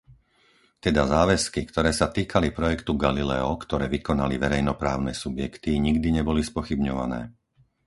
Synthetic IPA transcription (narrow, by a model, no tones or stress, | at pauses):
t̪ɛd̪azaːʋɛskikt̪ɔɾɛːsat̪iːkʰalipɾɔjɛkt̪uɡalilɛɔkt̪ɔɾɛːʋikɔnaliʋɛɾɛjnɔpɾa̰ːʊnɛsubjɛkt̪iɲiɡd̪iɲɛbɔlispɔxibɲɔʋa̰nɛ̰ː